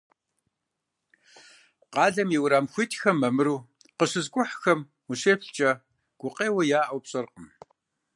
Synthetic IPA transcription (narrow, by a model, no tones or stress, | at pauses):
qɑːɮɐmjiwɾaːmxʷitʰxɐmːɐmɨɾuː | qəɕɨzkʷʼʊħxɐm | wʊɕeːfɬt͡ʃʼɐ | ɡ̥ʷʊqeːwɐjaːʔɐwpɕʼɐrqəm